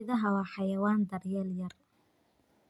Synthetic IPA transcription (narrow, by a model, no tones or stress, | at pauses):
ɪðɐɦɐwɐħɑjɐwaːnd̪ɐrjɛljɐr